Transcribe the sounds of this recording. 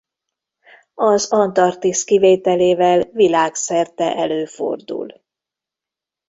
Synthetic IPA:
ɒzɒnt̪ɒrt̪iskiveːt̪ɛleːvɛlvilaːksɛrt̪ɛʔɛløːfo̰rd̪ṵl

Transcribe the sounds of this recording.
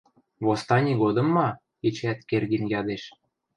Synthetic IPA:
βost̪ɑnʲiɣod̪ɤ̆mːɑ | et͡ɕæt̪kerɣinjɑd̪eʃ

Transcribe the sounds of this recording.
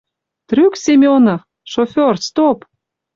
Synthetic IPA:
t̪ryksemʲeonɤ | ʃofʲorst̪op

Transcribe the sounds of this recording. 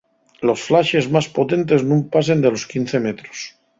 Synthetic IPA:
lo̞sflaʃe̞zmaspo̞t̪e̞nt̪e̞znũmpas̬e̞nd̪e̞lo̞skin̟θemet̪ɾos

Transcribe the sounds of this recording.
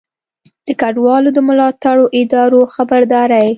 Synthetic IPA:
d̪̥əkaɖwɑlod̪əmʊlɑt̪aɽoʔɪd̪ɑɾoxabaɾd̪ɑɾaj

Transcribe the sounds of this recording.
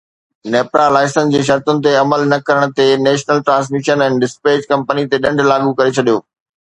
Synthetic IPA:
neːpɾalaːɪsənd͡ʑeːʃ̬ɐɾt̪ʊnɪ̆t̪eɐməlnɐkɐɾəɽ̃t̪enɛːʃnəlʈɾãːns̬miʃənɛ̃ːnɖɪspeːd͡ʑkɐ̃mpənit̪eɗɐ̃ɳɖʱlaːɡukɐɾet͡ɕʰɐɗijoː

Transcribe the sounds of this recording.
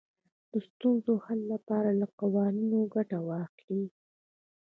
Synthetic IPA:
d̪̥əst̪unzohalːapɑɾalaqawɑninoɡaʈawɑxli

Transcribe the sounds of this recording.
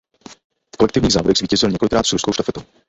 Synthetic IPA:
fkolɛk̚t̪ɪvɲiːɣza̰ːvodɛxzviːcɛzɪlɲɛko̞lɪkɾaːt̪sɾuskowʃt̪afɛt̪ow

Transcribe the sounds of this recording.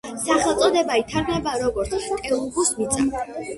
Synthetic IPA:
saχɛlˠt̪sʼɔd̪ɛbait̪ʰaɾɡnɛbaɾɔɡɔɾt̪st̪ʼɛlˠuɡusmit̪sʼa̰

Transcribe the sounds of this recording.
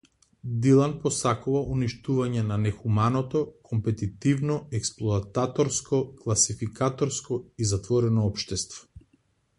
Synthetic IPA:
d̪ilˠanpɔsakuvauniʃt̪uvaɲɛnanɛxumanɔt̪ɔkʰɔmpɛt̪it̪ivnɔɛksplˠɔat̪at̪ɔɾskɔklˠasifikat̪ɔɾskɔizat̪vɔɾɛnɔɔpʃt̪ɛst̪vɔ̥

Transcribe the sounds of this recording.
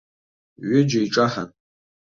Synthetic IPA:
ɥʊd͡ʒaiʈ͡ʂʼaħa̰n

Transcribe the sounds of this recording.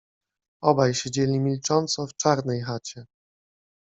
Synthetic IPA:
ɔbajɕed͡ʑɛlʲimʲilt͡ʂɔnt̪sɔft͡ʂaɾnɛjxat͡ɕɛ

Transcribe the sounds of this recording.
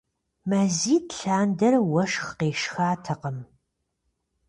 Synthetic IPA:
mɐziːtɬaːndɐrwɐʃxqeːʃxaːtʰɐqəm

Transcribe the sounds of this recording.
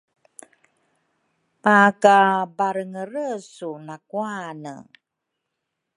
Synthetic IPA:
makabaɾəŋəɾəsunakuanə̰

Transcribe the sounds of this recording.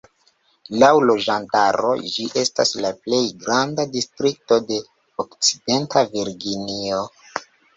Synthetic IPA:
lawlo̞d͡ʒantaɾo̞̰d͡ʒiʔe̞staslaple̞jɡɾandadistɾik̚to̞de̞ | okt͡side̞ntʰaviɾɡinio

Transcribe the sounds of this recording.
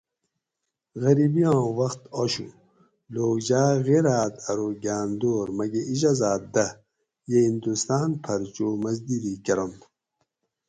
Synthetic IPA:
ɣɐɾibijãːwɐxt̪oɕu | loːd͡ʑaːɣeɾaːt̪ɐɾoɡaːnd̪oːɾmɐɡeʔiʑazaːt̪̚d̪ɐ | jehind̪ust̪aːnpʰɐɾt͡ɕomɐzd̪iɾikɐɾon

